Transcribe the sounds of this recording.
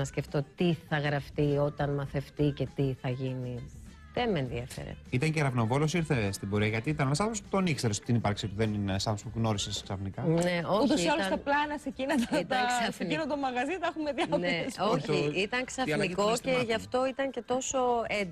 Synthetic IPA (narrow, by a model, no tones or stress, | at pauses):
ɐsce̞ft̪o̞t̪iθɐɣɾɐft̪io̞t̪ɐnmɐθe̞ft̪ice̞t̪iθɐʝini | ðemenðiɐfḛɾḛt̪it̪ɐɲceɾɐvnovo̞losiɾθest̪ibo̞ɾiɐʝɐt̪iːt̪ɐnenɐsɐpospu̥t̪onikseɾesot̪inipɐɾksipuðeninsɐpspuɣno̞ɾisesksɐfnikɐneouçt̪osiɐlosɐsɐplɐenɐsecinɐt̪it̪ɐsɐseninod̪omɐɣɐzit̪ɐexumeðiɐnesoçiit̪ɐŋksɐfiko̞ce̞ʝɐft̪o̞it̪ɐɲce̞t̪o̞so̞ed̪